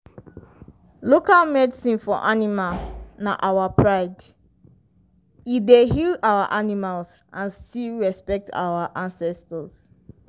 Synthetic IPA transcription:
lokalmɛdisĩnfɔʔanimalna̰ʔawapʰɹaɪd | idehilawa̰ʔanimalz | ʔãnstilɹɛspɛk̚ta̰waʔãnsɛstəz̥

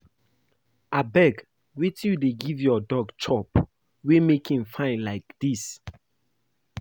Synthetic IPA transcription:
abɛɡ | wit͡ʃjudeɡivjɔdɔɡt͡ʃʰɔp | wemekʰĩmfãɪ̃ndlaɪkd̥is

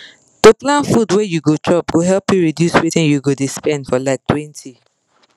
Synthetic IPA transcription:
toplãnfudwɛjuɡotʰɔpɡoɦɛlpjuɹidjusɹitĩnjuɡodespɛ̃ndfɔlaɪk̚tʰwɛ̃ntʰi

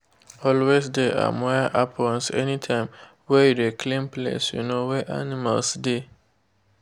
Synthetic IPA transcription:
ɔlwesdea̰mɔʔapʰlɔnsɛ̰nĩtʰãɪ̃m | wɛjudekʰlẽmplḛsjṵnõwɛʔa̰nĩma̰lsde

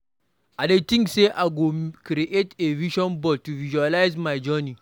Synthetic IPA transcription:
ʔadetĩŋɡseʔaɡokɾiʔeteviʃɔnbɔltuviʒualajzmajd͡ʒɔni

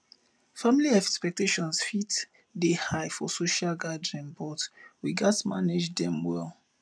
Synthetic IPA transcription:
familiɛkspɛk̚teʃɔ̃nsfit | dehajfɔsoʃalɡadɹĩnbɔtwiɡatmaned͡ʒdɛ̃mwɛl

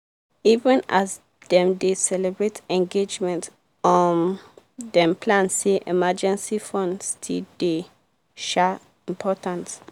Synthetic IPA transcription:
ivə̃nas | dɛ̃mdesɛlɛbɹetɛ̃ŋɡed͡ʒmɛ̃nt | ɔ̃n | dɛ̃mpʰlãnseʔemad͡ʒɛ̃nsifɔ̃ndstʰilde | ʃɛ | ĩmpʰɔtãns

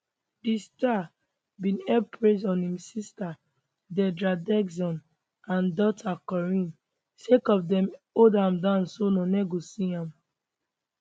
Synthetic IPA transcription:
dista | bĩnɛpʰɹezɔ̃nhĩmsista | dɛdɹadɛɡsɔ̃n | ãndɔtʰakɔɹĩn | sekɔfdɛ̃modãmdãʊnsonɔ̃nɛɡosiãm

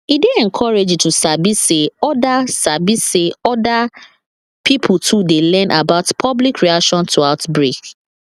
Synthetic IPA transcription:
ideɛ̃ŋkʰɔɹed͡ʒtusabiseɔdasabiseɔda | pʰipʰʊtʰudelɛ̃nʔabaʊtpʰɔblikɹiakʃɔ̃ntʰuaʊtbɹek

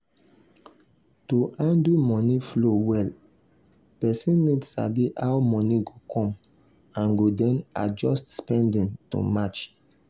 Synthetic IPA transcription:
toʔãndumɔ̃niflowɛl | pɛsĩnːidsa̰biʔawmɔ̃niɡokʰɔ̃m | ãnɡodɛ̃na̰d͡ʒɔstspɛ̃ndĩntṵmat͡ʃ

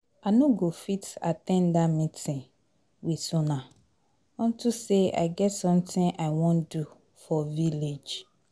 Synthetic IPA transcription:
anũɡofita̰tɛ̃ndamĩtʰɪ̃ | wisũnã | ɔ̃n̩tʰusea̰ɪɡɛtsɔ̃mtʰɪ̃ŋʔaɪwɔ̃ndu | fɔviled͡ʒ

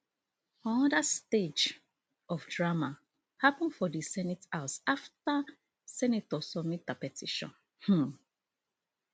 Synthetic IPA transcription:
ãnɔdasted͡ʒ | ʔɔfdɹama | hapə̃nfɔdisɛnitaʊsafta | sɛnitɔsɔmit̚dapɛtʰiʃɔ̰̃n | h̩

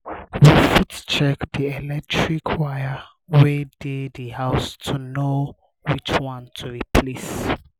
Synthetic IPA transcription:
wifitt͡ʃɛkdiɛlɛk̚tʰɹikʰwaja | wɛdidəhaʊstʰuno | wit͡ʃwɔ̃ntʰuɹipʰlis

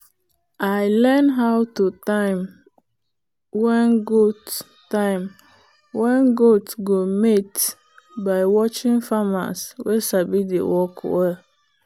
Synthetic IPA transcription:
aɪlɛnɦawtutãɪm | wɛ̃nɡot | tãɪ̃m | wɛ̃nɡotɡomet | baɪwɔt͡ʃɪ̃ŋfama̰swɛsabidḛwɔkʰwɛl

